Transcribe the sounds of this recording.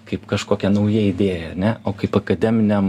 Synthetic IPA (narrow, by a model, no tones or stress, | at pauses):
kɐɪpkɐʃkoːkʲɛnɐʊjɛɪd̪ʲeːjɛɐɾnʲɛʔoːkɐɪpɐkɐd̪ʲɛmʲɪnʲɛm